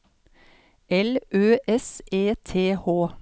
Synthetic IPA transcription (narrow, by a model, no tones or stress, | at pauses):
ʔɛlʔøːʔɛsʔeːt̪ʰeːhoː